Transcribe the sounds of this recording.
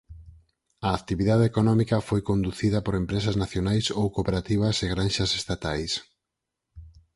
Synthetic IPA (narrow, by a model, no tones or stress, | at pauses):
ɐːkt̪iβiðaðeekonɔmikɐfojkond̪uθiðɐpoɾempɾesɐznaθjonajsowkopeɾat̪iβ̞ɐseɣɾanʃɐsest̪at̪ajs